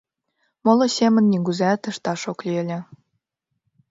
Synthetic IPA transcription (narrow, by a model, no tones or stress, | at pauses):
molŏsʲemə̆nːiɡuzæt̪əʃt̪ɑʃoklʲiəlʲĕ